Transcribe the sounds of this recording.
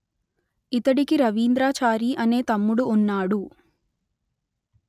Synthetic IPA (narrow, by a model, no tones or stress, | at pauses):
it̪ɐɽikiɾɐʋiːnd̪ɾaːt͡ʃaːɾiːʔɐne̞ːt̪ɐmːuɽuːnːaːɽu